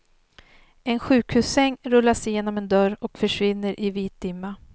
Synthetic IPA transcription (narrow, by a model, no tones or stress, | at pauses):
ɛnɧʉ̟ːkhʉ̟ːsːɛŋːɾɵlːaʂjeːnɔmɛnd̪œɾɔkfœʂvɪnːəɾʔɪviːt̪̚d̪ɪmːa